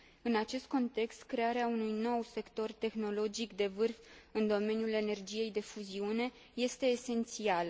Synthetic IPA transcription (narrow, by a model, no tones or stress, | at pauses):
ɨnat͡ʃe̞st̪̚ko̞nt̪e̞kst̪kɾe̞aɾeaunujno̞wse̞kt̪o̞rt̪e̞xno̞lo̞d͡ʒikd̪e̞vɨrfɨnd̪o̞me̞njule̞ne̞rd͡ʒije̞jd̪e̞fuziune̞ | je̞st̪e̞ːse̞nt̪sialə